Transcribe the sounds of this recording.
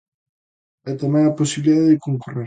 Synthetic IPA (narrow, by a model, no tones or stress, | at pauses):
ɛt̪amɛ̃ŋɐposiβiliðaðeðɪkoŋkure